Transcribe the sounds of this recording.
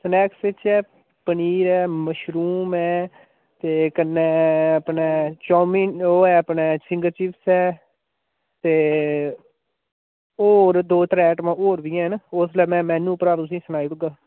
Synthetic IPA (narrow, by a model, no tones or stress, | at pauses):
snɛːksɪt͡ʃɛː | pəniːɾɛːməʃɾuːmɛː | t̪eːkənːɛːəpnɛːt͡ʃɔːmiːoːɛːəpɳɛːsɪ̃ŋɡəɾt͡ʃɪpsɛː | t̪eː | oːɾd̪oːt̪ɾɛːʈmãːoːɾʋiːɛ̃ːɦnʊslɛːmɛ̃ːmɛ̃ːnũːpəɾaːɾt̪ʊs̬ĩːsənaːiːɾʊɡaː